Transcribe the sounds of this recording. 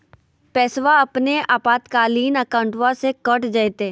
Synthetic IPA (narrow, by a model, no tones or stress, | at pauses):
pɛːsʋaɐpneaːpaːt̪kaːliːnəkãːʊɳʈʋasekəʈd͡ʒəjt̪eː